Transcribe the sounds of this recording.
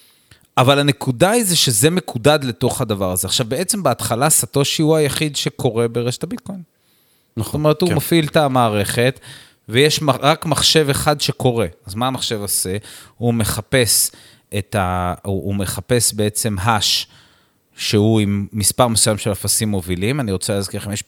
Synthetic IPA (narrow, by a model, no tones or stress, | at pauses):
avalhane̞kudaizeʃezeme̞kʰudad̪le̞to̞χhad̪avaʁazeaχʃavbe̞e̞t͡sembeat̪χalasat̪o̞ʃiuajaχid̪ʃe̞kʰo̞ʁe̞beʁeʃe̥tabit̪ko̞jn | zotome̞ʁethumofilt̪amaːʁe̞χe̞t̪ | vejeʃmaʁakmaχʃe̞veχad̪ʃeko̞ʁe̞azmaːmaχʃe̞vose̞hume̞χape̞s | ʔet̪auːme̞χape̞sbe̞e̞t͡se̞mɦaʃ | ʃehuimːispaʁmesujamʃelafasimːo̞vilimaniʁo̞t͡seleazkeχemjeʃ